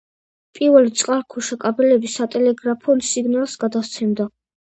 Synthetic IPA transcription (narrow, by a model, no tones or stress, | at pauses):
pʼiɾvɛlit̪sʼqʼaɾkʰɔʃɛkʼabɛlɛbisat̪ʼɛlɛɡɾapʰɔnsiɡnalˠsɡad̪ast̪sʰɛmd̪a